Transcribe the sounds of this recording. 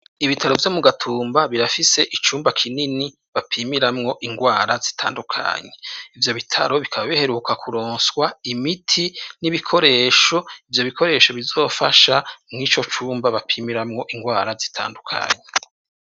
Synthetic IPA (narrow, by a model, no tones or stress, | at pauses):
iβitʰaɾo̞vjo̞muɡatʰuːmbaβiɾafise̞ʔit͡ʃuːmbakʰinini | βapʰiːmiɾamŋo̞ʔiŋɡwaːɾazi̥tʰaːndukʰa̰ɲe̞ivjo̞βitʰa̰ɾo̞βikʰaβaβihe̞ɾukʰakuɾoːnsɡwaimitʰiniβikʰo̞ɾe̞ːʃo̞ivjo̞βikʰo̞ɾe̞ːʃo̞βizo̞ːfaʃamŋiːt͡ʃo̞t͡ʃuːmbaβapʰiːmiɾamŋo̞ʔiŋɡwaːɾazi̥tʰa̰ːndukʰa̰ɲe